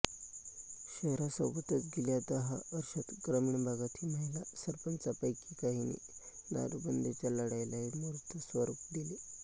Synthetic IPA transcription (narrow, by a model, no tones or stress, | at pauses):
ɕəɦɾasəbət̪ət͡s̪ɡiljad̪əɦaəɾʂat̪ɡɾəmiɳbʱaɡat̪ʰiːməɦilasəɾpənt͡sapəjkikaɦinḭna̰ɾbənd̪et͡ɕaləɽajlaɦimuɾt̪ʰəsʋəɾupd̪ile